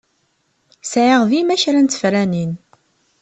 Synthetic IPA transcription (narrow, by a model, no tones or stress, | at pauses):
sʕiʁvimæçɾænt͡sːə̥fɾænin